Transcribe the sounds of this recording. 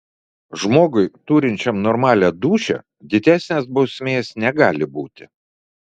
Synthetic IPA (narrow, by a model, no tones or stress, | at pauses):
ʒmoːɡʊɪt̪uːɾʲɪnʲt͡ʃʲɛmnɔɾmɑːlʲɛd̪uːʃʲɛ̰ | d̪ʲɪd̪ʲæːˑsʲnʲeːsbɒʊsʲmʲeːsnʲɛɡɑːlʲɪbuːt̪ʲɪ